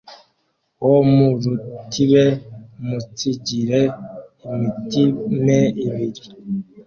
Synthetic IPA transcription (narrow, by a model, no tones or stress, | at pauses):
womuɾutiβemut͡siɟiɾeimitimeiβiɾi